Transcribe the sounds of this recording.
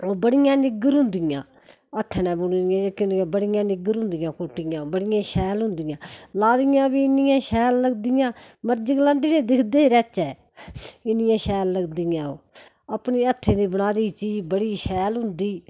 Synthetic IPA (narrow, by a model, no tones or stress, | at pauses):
oːbəɽɪjãːnɪɡəɾɦʊ̃nd̪ɪjãː | ət̪ʰːnɛ̃ːbʊnnɪjãːd͡ʒakjʊ̃nd̪jãːbəɽɪjãːnɪɡəɾɦʊ̃nd̪ɪjãːkʊʈɪjãːbəɽɪjãːʃɛːlɦʊ̃nd̪ɪjãːlaːd̪ijãːbiːɪnɪjãːʃɛːlːəɡd̪ɪjãːməɾd͡ʒəɡlãːnd̪iːnẽːd̪ɪkʰd̪eːɾɛːt͡ʃɛː | ɪnɪjãːʃɛːlːəɡd̪ɪjãːoː | əpniːət̪ʰːẽːd̪iːbənaːd̪iːt͡ʃiːd͡ʒbəɽiːʃɛːlɦʊ̃nd̪iː